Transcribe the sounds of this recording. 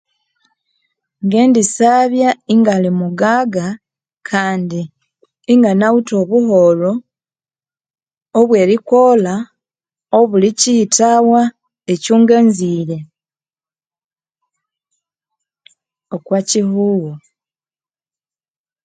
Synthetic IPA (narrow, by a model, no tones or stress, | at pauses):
ŋɡe̞ːndisaβjaiŋɡalimuɡaːɡa | kʰaːndiː | ŋɡanawuto̞βuɦo̞lo | βwe̞ːɾiko̞ːla | oβulicitawa | ecuːŋɡeːnziːɾe̞ | okwaciɦuːwo